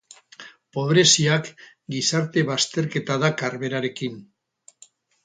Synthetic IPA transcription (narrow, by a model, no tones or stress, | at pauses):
po̞βɾe̞siak | ɡisaɾt̪e̞βast̪e̞ɾke̞t̪aðakaɾβe̞ɾaɾe̞kin